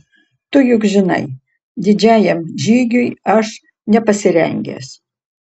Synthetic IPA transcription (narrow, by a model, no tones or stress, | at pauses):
t̪ʊjʊkʒʲɪnɐ̰ɪ | d̪ʲɪd͡ʒʲæːjɛmʒʲiːɡʲʊjɐʃ | nʲɛpɐsʲɪɾʲɛ̰ŋʲɡʲɛ̰ːs